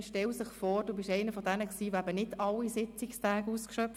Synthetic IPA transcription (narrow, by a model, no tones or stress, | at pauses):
ʃtɛlsɪχfɔːrd̥oːbɪʃɛɪnəfɔdɛnəksiːʋoæbənɪdɑlːisɪt͡sɪkstæːɡuskʃœp